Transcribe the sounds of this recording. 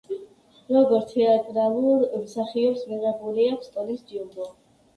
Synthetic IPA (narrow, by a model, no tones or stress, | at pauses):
ɾɔɡɔɾt̪ʰɛat̪ʼɾalˠuɾmsaχiɔpsmiʁɛbuliakʷʰst̪ʼɔlisd͡ʒ̪iubɔ